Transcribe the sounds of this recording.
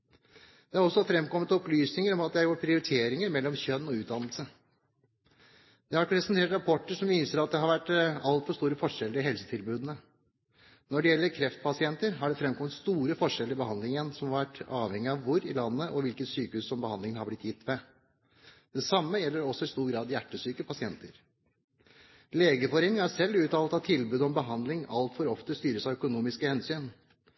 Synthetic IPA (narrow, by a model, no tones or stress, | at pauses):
d̪̥ɛæɾɔsːɔfɾɛmːkɔmːət̪ɔplyːsnɪŋəɾɔmɑt̪̚d̪ɛhæɾjuːpʰɾɪʊɾɪt̪ʰeːɾɪŋəɾmɛlːɔmçœnːɔʉːt̪̚d̪ɑnəlsə | d̪̥ɛhɑɾɾɛsɛnt̪ʰeːʈɾɑpʰɔʈːəʂɔmʋɪːnsəɾɑt̪̚d̪ɛhɑɾʋæʈːɑlt̪fɔʂt̪uːɾəfɔʂɛlːəɾɪɦɛlsə̥t̪ʰɪlbʉːd̪ənə | nɔɖɛjɛlːəɾkʰɾɛft̪pʰɑsɪɛnt̪əɾɦɑɖɛfɾɛmkʰɔmːət̪st̪uːɾəfɔʂɛləɾɪbəɦɑnd̪lɪŋənsɔmhɑɾʋæʈːɑːʋhɛŋːɪɑʋʋʊɾɪlɑnːəʔɔʋɪlkət̪syːkəhʉːssɔmbəhɑnd̪lɪŋənhɑblɪt̪jɪt̪ːʋɛ | d̪̥ɛsɑmːəjɛlːəɾɔsːɔɪst̪uːɾɡɾɑːd̪jæʈːəsyːkəpʰɑsɪɛnt̪əɾ | leːɡəfɔɾeːnɪŋæsɛlːʉːt̪ɑːlət̪ɑt̪ʰɪlbʉːd̪ɔmbəɦɑnd̪lɪŋɑlt̪fɔɾɔft̪əst̪yːɾəsæɪœkʊnuːmɪskəhɛnsyːn